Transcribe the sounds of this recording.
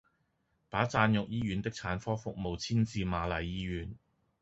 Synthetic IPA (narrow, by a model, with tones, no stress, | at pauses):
paː˨˥t͡saː˧njʊ˨k̚jiː˥jyː˨˧nt̪ɪ˥k̚t͡sʰaː˨˥nfɔː˥fʊ˨k̚mo˨wt͡sʰiː˥nt͡siː˧maː˨˧lɐ˨jːiː˥ɥyː˨˥n